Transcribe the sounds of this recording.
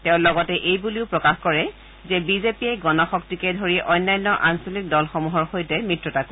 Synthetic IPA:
tɛʊ̃lɔɡɔtɛʔejbuliʊpɹɔkaxkɔɹɛ | zɛbizepiɛɡɔnɔxɔktikɛdʱoɹiʔɔjnːajnːɔʔansolik̚dɔlxɔmuɦɔɹxojtɛmɹitɹɔtako

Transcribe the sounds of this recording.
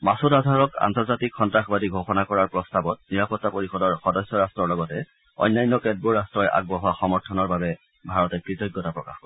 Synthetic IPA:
masudadʱaɹɔka̰ntɔɹzatikxɔntɹaxbadiɡʱoxɔnakɔɹaɹpɹɔstabɔt̚niɹapɔtːapoɹixɔdɔɹxɔdɔsːɔɹastɹɔɹlɔɡɔtɛ | ɔ̰jnːajnːɔkɛd̚buɹastɹɔjʔa̰ɡ̚bɔɦaxɔmɔɹtʰɔnɔɹbabɛ | bʱaɹɔtɛkɹitɔjɡːɔtapɹɔkaxkɔɹɛ

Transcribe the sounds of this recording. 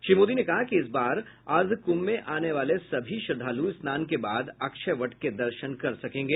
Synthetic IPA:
ʃimoːd̪inekɐɦakiɪsbaːɾ | ɐɾd̪ʱkʊmːẽʔaːneʋaːlesɐbʱiʃɐɾd̪ʱaːluɪsnaːnkebaːd̪ɐkʃəʋɐʈked̪ɐɾʃənkɐɾsɐkẽːŋɡeː

